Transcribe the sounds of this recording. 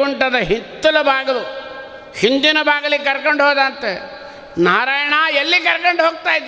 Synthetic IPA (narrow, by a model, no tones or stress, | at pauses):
uɳʈɐd̪ɐɦint̪ːɐlɐbʱaːɡɐlu | hind̪inɐbʱaːɡɐlikɐɾkɐɳɖɦoːd̪aːnt̪e | naːɾaːjɐɳaːelːikɐɾkɐɳɖɦoːɡ̚t̪aːjd̪